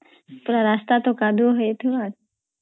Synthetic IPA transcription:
pʊɾaɾaːst̪aːt̪oːkaːd̪ʱoɦəet̪ʰoaːɾ

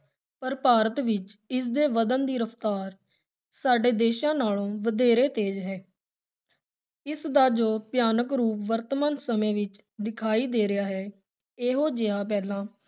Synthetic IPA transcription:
pəɾpaːɾət̪ʋɪt͡ʃɪs̬d̪eːʋəd̪ənd̪iːɾəpʰt̪aːɾ | saːɖeːd̪eːʃãːnaːlõːʋəd̪eːɾeːt̪eːd͡ʒɦɛː | ɪsd̪aːd͡ʒoːpjaːnəkɾuːpʋəɾt̪maːnsəmẽːʋɪt͡ʃ | d̪ɪkʰaːiːd̪eːɾɪjaːɦɛː | eːɦoːd͡ʒɪãːp̬ɛːlãː

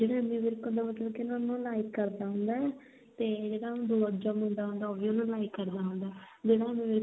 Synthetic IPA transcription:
d͡ʒeːɽaːemĩːʋɪɾkõnd̪aːmət̪ləbkɪnãːnũːlaːɪkːəɾd̪aːɦʊ̃ːnd̪aːɛ | t̪eːd͡ʒeːɽaːʊ̃d̪oːəd͡ʒãːmʊ̃nd̪aːɦʊ̃nd̪aːɔːbijõnũːlaːɪkːəɾd̪aːɦʊ̃ːnd̪aː | d͡ʒeːɽaemĩːʋɪɾ

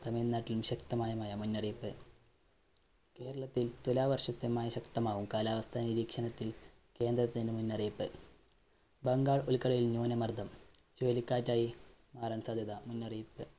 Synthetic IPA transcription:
t̪ɐmeːnnːaːʈːilumɕɐkt̪ɐmaːjɐmaːjɐmunːɐriːpːɨ | ke̞ːɾɐɭɐt̪ːilt̪ulaːʋɐrʂɐt̪ːɐmaːjɐɕɐkt̪ɐmaːʋumkaːlaːʋɐst̪ʰaniɾiːkʂɐnɐt̪ːil | ke̞ːnd̪rɐt̪ːininɨmunːɐriːpːɨ | bɐŋɡaːɭolkɐɭɐjilɲo̞ːnɐmɐrd̪ʱɐmt͡ɕoːlikʲːaːtːaːji | maːrɐnsaːd̪ʱjɐðɐmunːɐriːpːɨ

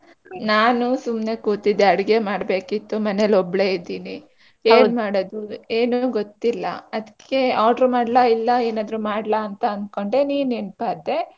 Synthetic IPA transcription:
naːnusumne̞kuːt̪id̪eɐɽiɡemaːɽbe̞ːkit̪ːumɐnelɔbɭe̞id̪iːni | eːnmaːɽod̪ueːnuɡot̪ːilːɐ̰ɐd̪ikʰːe̞aːɖɾumaːɽlailːɐeːnaːd̪ɾumaːɽlaːnt̪ɐɐnd̪̚ko̞ɳɖe̞niːnenpaːd̪e̞

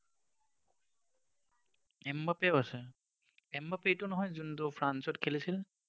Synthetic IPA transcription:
ɛmbapeasɛ | ɛmbapejtʊnɔɦɔjzuntʊpʰɹansɔtkʰelisil

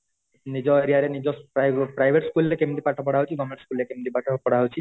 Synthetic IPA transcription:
nid͡ʑoeɾiaɾenid͡ʑopapɾajbʱeʈskulɾekemʈipaʈʰːapɔɽaɦot͡ʃʰiɡɔmeʈskulɾekemʈipaʈʰːopɔɽaɦot͡ɕʰi

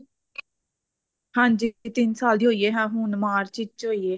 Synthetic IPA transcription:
hãːnd͡ʒɪit̪ɪnsaːld̪iːɦoːieːɦãːɦũːnmaːɾt͡ʃɪt͡ʃɦoːieː

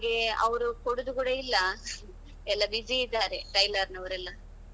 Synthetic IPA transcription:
ɡe̞ɐ̰ʋɐɾukoɽud̪ukuːɽɐilːɐ | ɛlːɐbid͡ʒiid̪ːaːɾe̞ʈɐjlɐɾnɐʋɐɾɛlːɐ

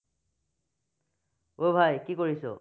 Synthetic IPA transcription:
obʱajkikoɹisʊ̰

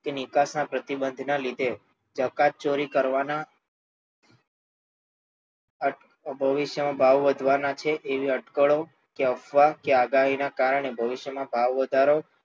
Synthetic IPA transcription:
kenɪkasnapɾət̪ibənd̪ʱnalid̪ʱe | d͡ʒəkat̪̚t͡ʃoɾikəɾʋana | əʈ | bʱəʋɪʃjəmãbʱaʋːəd̪ʱʋanat͡ʃʰeʔːʋiəʈkəɭo | keəfʋakeaɡaɦinakaɾəɳ̃ebʱəʋɪʃjəmãbʱaʋːəd̪ʱaɾo

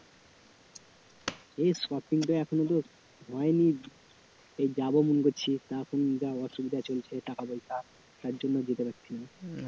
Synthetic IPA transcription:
ejskɔpiŋʈaɛkʰonot̪̬o | ɦɔeni | ejd͡ʑabomunkoɾt͡ɕʰit̪akʰond͡ʑaɔʃobid̪at͡ɕolt͡ɕʰeʈakabojkʰa | t̪aɾd͡ʑonːod͡ʑet̪epaɾt͡ɕɕʰina

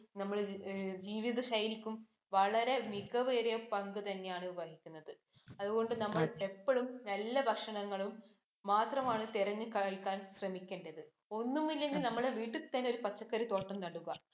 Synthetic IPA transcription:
nɐmːɐɭd͡ʑiːʋiðɐɕɐjlikʲːum | ʋɐɭɐɾe̞miɣɐʋeːɾijɐpɐŋɡɨt̪ɐnːe̞jaːɳɨubɐɦikʲːunːɐðɨ | ɐðuɣo̞ɳɖɨnɐmːɐɭe̞pːoɭumnɐlːɐbʱɐkʂɐɳɐŋːɐɭumː | aːt̪rɐmaːɳɨt̪iɾɐŋːɨkɐɭkːaːnsrɐmikʲːeːɳɖɐðɨ | o̞nːumilːe̞ŋɡilnɐmːɐɭeʋiːʈːɨt̪ːɐnːeo̞ɾupɐt͡ɕːɐkːɐɾit̪o̞ːʈːɐmnɐɽuɣɐ

